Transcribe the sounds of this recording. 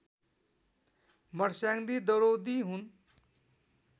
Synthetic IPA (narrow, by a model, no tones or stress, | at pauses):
mʌɽsjaŋd̪id̪oɾowd̪iɦun